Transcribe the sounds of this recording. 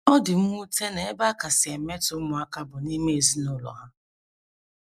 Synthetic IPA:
ɔ˦dɪ˨m̩˦mu˦te˦ne˨e˦ba˦ka˨sɪ˨e˨me˦tʊ˨˦ʊ˦mʊ˨a˦ka˦bʊ˨ni˦me˦e˨zi˦nʊ˦lɔ̰˨ɦa˦

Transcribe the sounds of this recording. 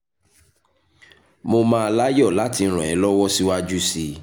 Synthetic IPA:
mo˧mã˦a˧la˦jɔ˦˨la˨˦tĩ˧˦ɾ̃ɔ̃˨ɛ˨˦lɔ˦wɔ˦si˦wa˦d͡ʒu˦si˧

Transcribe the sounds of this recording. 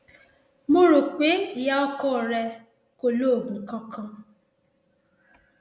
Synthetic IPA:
mo˦ɾo˨k͡pe˨˦˨ja˦ɔ˦kɔ˦˨ɾɛ˧ | ko˨˦lo˦˨ɡu˨kɔ˦kɔ̃˧

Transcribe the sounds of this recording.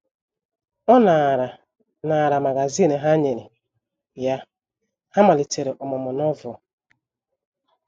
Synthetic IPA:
ɔ˦na˨ɾa˨ | na˨ɾa˨ma˨ɡa˨zi˦ne˨ɦa˦ɲe˨ne˨ | ja˦ | ha˦ma˨li˨te˨ɾe˨ʔɔ˨mɔ˨mɔ˨nɔ˦vʊ˨

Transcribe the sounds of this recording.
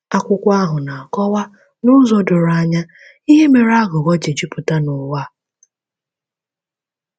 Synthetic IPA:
a˦kʷʊ˦kʷa˦ɦʊ˨na˨a˨kɔ˦wa˦ | nʊ˦zɔ˦dʊ˨ɾa˦ɲa˦ | i˦ɦe˦me˨ɾa˦ɡʊ˨ɣɔ˦d͡ʒe˨d͡ʒi˦pʊ˨ta˦nʊ˨wa˦

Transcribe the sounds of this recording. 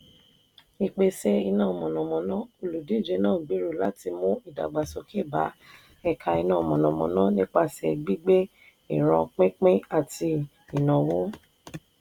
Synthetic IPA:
i˨k͡pe˧se˧i˧nãː˦˨mɔ̃˨nɔ̃˨mɔ̃˨nã˨˦o˧lu˨di˨˦˨d͡ʒe˨˦nãː˦˨ɡ͡bi˨˦ɾu˦˨la˨˦ti˧mũ˦i˦˨da̰˨ɡ͡ba˨so˧˦ki˦˨ba̰˨˦ | ɛ˧kʰa˧i˧nã˦˨mɔ̃˨nɔ̃˨mɔ̰̃˨nã˦nĩ˦k͡pa˦˨sɛ̰˨ɡ͡bi˦ɡ͡be˦ | i˦˨ɾ̃ã˧k͡pẽ˦k͡pĩ˦a˦˨ti˧ | i˨nã˨wõ˦

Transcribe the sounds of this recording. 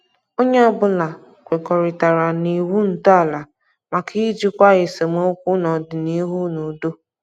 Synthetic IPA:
o˦ɲe˦ɔ˦bʊ˦la˨ | kʷe˨kɔ˨ɾɪ˨ta˨ɾa˨ni˨wu˦n̩˨ta˦a˦˨la˨ | ma˨kʰi˦d͡ʒi˦kʷa˦ɣɪ˨se˨mo˦kʷu˦nɔ˨dɪ˨ni˦ɦu˦nu˨do˦

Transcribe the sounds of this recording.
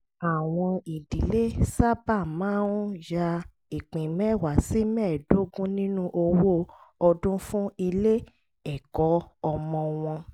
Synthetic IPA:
a˨w̃ɔ̃˧i˨di˨le˦sa˦ba˦˨mãː˦nũ˦ja˧ | i˨k͡pĩ˨mɛ̃˦˨wa˨si˦mɛ̃ː˦˨do˨˦ɡũ˦nĩ˦nũ˦ʔo˧wo˦ɔ˧dũ˦fũ˦i˧le˦ | ɛ˨kɔ˨˦ɔ˧mɔ̃˧w̃ɔ̃˧

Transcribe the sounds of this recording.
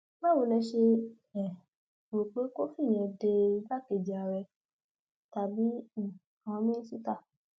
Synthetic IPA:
mã˦wo˨˧lɛ̃˧ʃe˧ | ɛ˨ | bo˨k͡pe˨˦ko˦fi˦˨ɲ̃˨ɛ̃˧de˧i˧ba˦˨ke˨d͡ʒi˨a˨ɾɛ˧ | ta˨bi˨˦˨ | a˨w̃ɔ̃˧mĩ˦ñ̩˦su˦ta˦˨

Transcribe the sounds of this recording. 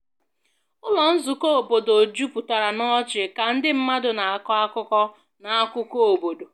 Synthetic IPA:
ʊ˦lɔ˨n̩˦zʊ˨ko˦o˨bo˨do˨d͡ʒu˦pʊ˨ta˨ɾa˨nɔ˦t͡ʃɪ˨ka˨n̩˦dɪ˦m̩˦ma˦dʊ˨na˨a˨kɔ˦a˦kʊ˦kɔ˦ | na˨a˦kʷʊ˦ko˦˨bo˨do˨

